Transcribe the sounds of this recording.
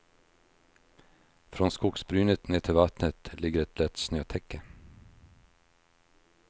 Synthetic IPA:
fɾoːnskʊksbɾyːnət̪neːt̪ʰɪʋɑt̪nət̪lɪɡəɾɛt̪lɛt̪snøːt̪ʰɛkə

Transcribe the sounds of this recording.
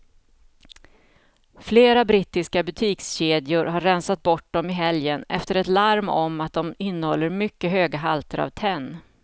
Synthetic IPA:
fleːɾabɾɪt̪ːɪskabɵt̪ʰiːksɕeːd̪ɪʊɾhaɾːɛnsat̪̚bɔʈ̚dɔmɪɦɛljənʔɛ̰ft̪əɾɛt̪laɾmɔmat̪̚d̪ɔmɪnːəhɔlːəɾmʏkːəɦøːɡaɦalt̪ʰəɾa̰vt̪ʰɛnː

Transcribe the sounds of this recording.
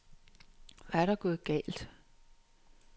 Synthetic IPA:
ʋæɐɾ̥ɑɡ̥oːð̩ˠɡ̥ɛ̰ːld̥

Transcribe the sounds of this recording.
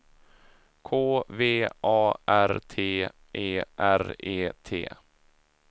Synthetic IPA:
kʰoːveːʔɑːʔæɾt̪ʰeː | ʔeːʔæɾeːt̪ʰḛː

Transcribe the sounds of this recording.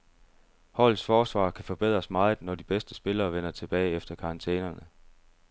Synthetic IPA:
hɒ̽l̰ˠsfɒːsʋɑ̰̈ːkʰæfɒ̽b̥e̝ð̞̰ˠʁɐsmɑ̈ːð̩ˠnɒd̥ib̥esd̥əsb̥e̝lɐːʋen̰ɐt͡sʰe̝b̥ɛːɪefd̥ɐkʰɑ̈ɑnt͡sʰḛːnɐnə

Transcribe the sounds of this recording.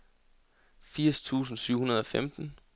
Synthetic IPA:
fiɐ̰st͡sʰṵːs̬n̩syʊ̰hunɐð̞ˠɒ̽femd̥n̩

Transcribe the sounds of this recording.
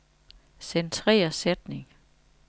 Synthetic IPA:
sent͡sʰʁɛ̰ːɐsed̥ne̝ŋ

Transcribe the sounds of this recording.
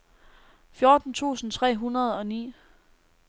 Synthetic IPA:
fjo̝ːd̥n̩t͡sʰṵːsn̩t͡sʰʁɛ̰ːɦunɐð̞ˠɒ̽nḭː

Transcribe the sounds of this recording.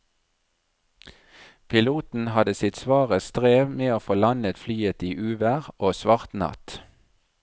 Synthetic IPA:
pʰɪluːt̪n̩hɑd̪əsɪt̪sʋɑːʁəst̪ʁeːʋmeːoːfoːlɑnət̪flyːət̪iːʔʉːʋæʁʔoːsʋɑʁt̪nɑ̰t̪

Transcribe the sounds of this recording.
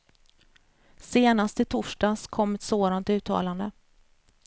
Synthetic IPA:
seːnast̪ɪt̪ʰʊʂɖɑːskʰɔmːɛt̪soːd̪ant̪ʉ̟ːt̪ʰːɑ̰ːland̪ə

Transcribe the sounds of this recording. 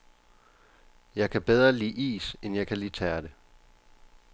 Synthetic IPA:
jɑ̈ɪkʰæb̥eð̞ˠʁɐlḭːʔḭːsenjɑ̈ɪkʰæliːt͡sʰɛːɐd̥e

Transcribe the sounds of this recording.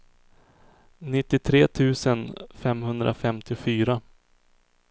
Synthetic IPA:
nɪt̪ːɪt̪ʰɾeːt̪ʰʉ̟ːsənfɛmhɵnd̪ɾʔa̰fɛmt̪ɪʊfyːɾa

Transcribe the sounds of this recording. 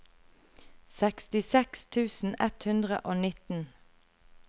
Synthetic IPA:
sɛkst̪ɪsɛkst̪ʰʉːsn̩ɛt̪hʉnd̪ʁə̰ʔoːnɪt̪n̩

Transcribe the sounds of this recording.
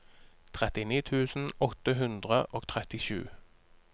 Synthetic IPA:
t̪ʰʁɛt̪ɪniːt̪ʰʉːsn̩ɔt̪əɦʉnd̪ʁəʔoːɡ̚t̪ʰʁɛt̪ɪʃʉ̰ː

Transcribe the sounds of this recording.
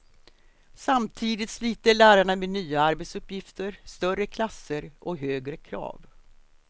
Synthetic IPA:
samt̪ʰiːd̪ɪt̪sliːt̪əɭæːɾaɳameːd̪nyːaaɾbɛt̪sɵpjɪft̪ʰəɾst̪œrəkʰlasːəɾʔɔɦøːɡɾəkʰɾɑ̰ːv

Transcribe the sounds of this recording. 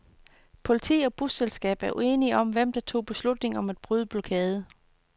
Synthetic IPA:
pʰo̝lit͡sʰḭːɒ̽b̥ʁuselsɡ̥ɛ̰ːb̥æɐʔue̝ːniɒ̽mʋem̰d̥ɑ̈t͡sʰo̝̰ːb̥e̝slud̥ne̝ŋɒ̽mæd̥̚b̥ʁyð̞ˠəb̥lokʰɛːð̞ˠə

